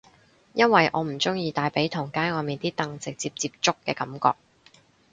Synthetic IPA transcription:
jɐ˥nwɐ˨jʔɔ̰ː˨˧m̩˨˩t͡sʊ˥ŋjiː˧t̪aː˨jpe˨˥jt̪ʰʊ˨˩ŋkaː˥nɔː˨˧miː˨nt̪iː˥t̪ɐ˧ŋt͡sɪ˨k̚t͡siː˧p̚t͡siː˧p̚t͡sʊ˥kːɛː˧kɐ˨˥mkɔ̰ː˧k̚

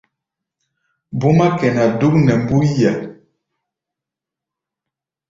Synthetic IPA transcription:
bu˦ma˦kɛ˨na˨du˦k̚nɛ˨mbu˦ja˨

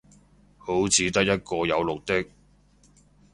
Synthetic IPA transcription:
ho˨˥wt͡sʰiː˨˧t̪ɐ˥k̚jɐ˥t̚kɔː˧jɐ˨˧wlʊ˨k̚t̪ɪ˥k̚

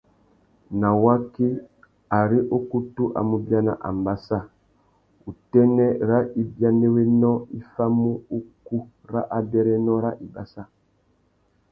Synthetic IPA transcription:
na˨wa˦ki˦ | a˨ɾi˦ʔo˦ku˦tu˦ʔa̰˨mu˨bja˦na̰˨ʔa̰˨mba˨sa˦ | u˨tɛ˦nɛ˦ɾa˦i˨bja˦ne˦we˦nɔ˦i˦fa˦mu˦u˦ku˦ | ɾa˦ʔa˨bɛ˦ɾɛ˦nɔ˦ɾa˦ʔi˨ba̰˨sa˦

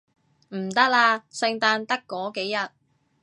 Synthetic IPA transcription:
m̩˨˩t̪ɐ˥k̚laː˧sɪ˧ŋt̪aː˧nt̪ɐ˥kːɔː˨˥ke˨˥jjɐ˨t̚

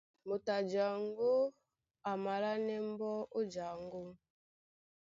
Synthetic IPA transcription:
mo˨ta˨d͡ʒa˨ŋ˦ɡo˦ | a˨ma˨la˦nɛ˦m˦bɔ˦o˦d͡ʒa˨ŋ˦ɡo˦

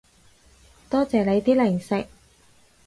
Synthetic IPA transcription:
t̪ɔː˥t͡sɛː˨˩le˨˧jt̪iː˥lɪ˨˩ŋsɪ˨k̚

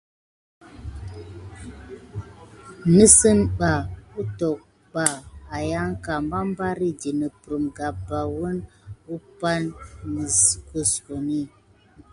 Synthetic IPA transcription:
nə˦sə˦nɓa˨u˦tɔ˨k̚ | ɓaː˨ja˦ŋ˦ka˨m˦ba˦m˦ba˦ɾi˦di˨nə˨pɾə˨mɡa˨ba˨wə˦nu˦pa˦nːə˨skə˦sko˨ni˦˨

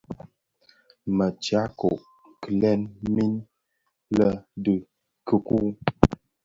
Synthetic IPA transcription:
mə˨t͡ʃja˨˦ko̰˨ʔ | kə˨lɛ˦nmi˦n | lə˦də˨ | kə˦ku˦

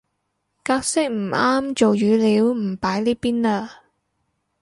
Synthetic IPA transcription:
kaː˧˥k̚sɪ˥k̚m̩˨˩aː˥mt͡ʃo˨wjyː˨˧liː˨˧˥wm̩˨˩paː˨˥jliː˥piː˥naː˧

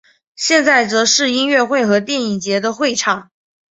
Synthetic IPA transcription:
ɕjɛ˥˧nt͡sa˥˩ɪt͡sɤ˧˥ʂɻ̩˥˧i˥nɥɛ˥˧xwe˥˩ɪxɤ˧˥t̪jɛ˥˩ni˨˩t͡ɕjɛ˧˥d̪ə˧xwe˥˧ɪʈ͡ʂʰɑ˨˩˦ŋ

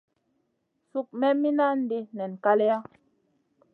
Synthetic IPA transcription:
su˦˨k̚mɛ˦mi˦na˦n̩˦di˦nɛ˨n˨ka˦lɛ˦a˦

